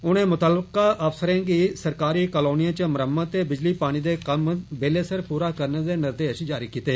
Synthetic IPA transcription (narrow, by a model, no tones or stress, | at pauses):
ʊnẽːmʊt̪aːləkaːʔəfsəɾẽːɡiːsəɾkaːɾiːkəːloːnijãːt͡ʃəməɾəmːat̪eːbɪd͡ʒliːpaːɽ̃iːd̪eːkəmbeːleːsəɾpuːɾaːkəɾneːd̪eːnɪɾd̪eːəʃd͡ʒaːɾiːkiːt̪eː